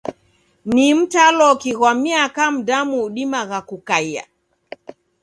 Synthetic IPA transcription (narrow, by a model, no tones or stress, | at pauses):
nim̩talɔkiɣwamiakam̩damuɗimaɣakukaja̰